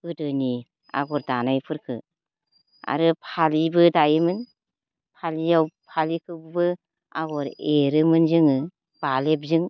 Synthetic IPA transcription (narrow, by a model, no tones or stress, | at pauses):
ɯdɯni | a̰ɡɔɾdanajpʰɯɾkʰɯ̰ | a̰ɾɯpʰalibɯdajimɯn | pʰalijawpʰalikʰɯbbɯ | a̰ɡɔɾeɾɯmɯnzɯŋɯ | b̥alep̚zɯŋ